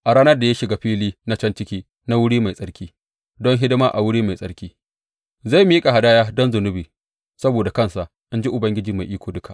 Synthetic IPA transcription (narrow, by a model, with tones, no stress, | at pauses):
ʔa˨ɾaː˦nɐ˦rda˨ja˦ʃɪ˨ɡa˦ɸiː˦liː˦na˦t͡ʃɐ˦nt͡ʃɪ˦kʲiː˦ | na˦wʊ˦ɽiː˦ma˨jsʼɐ˦ɽkʲiː˦ | dɔ˦ŋɦɪ˦dɪ˦maː˦ʔa˨wʊ˦ɽiː˦ma˨jsʼɐ˦ɽkʲiː˦ | za˦˨jm˦jkʼa˨ɦa˨daː˦jaː˦dɔ˦nzʊ˨nʊ˦biː˨ | sɐ˦boː˨da˨kɐ˦˨nsa˨ʔ | ʔa˦nd͡ʒi˦ʔʊ˨bɐ˦ŋɡʲɪ˦d͡ʒiː˨ma˨jʔiː˦kʷoː˨dʊ˦kʰa˨ʔ